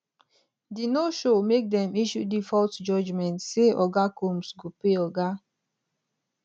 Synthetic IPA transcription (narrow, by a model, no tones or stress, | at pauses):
dinoʃomek̚dɛmiʃudifɔltd͡ʒɔd͡ʒmɛ̃ntseʔɔɡakomsɡopeɔɡa